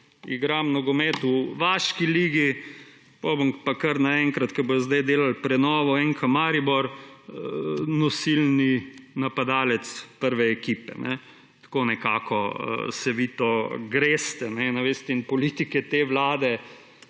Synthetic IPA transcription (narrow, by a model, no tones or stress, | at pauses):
ḭɡɾamnɔɡɔmet̪uʋaːʃkiliːɡi | pobəmpakəɾnaɛŋkɾat̪kɐbojɔzd̪ajd̪eːlalpɾɛnɔːʋɔɛŋkʰamaːɾibɔɾ | nɔsilninapad̪aːlɛt̪spəɾʋɛːkiːpɛ̰nɛ | t̪koːnɛkaːkɔ̰sɛʋit̪oɡɾeːst̪ɛnɛnɛʋeːst̪ɛinpɔlit̪ikɛt̪eːʋlaːd̪ɛ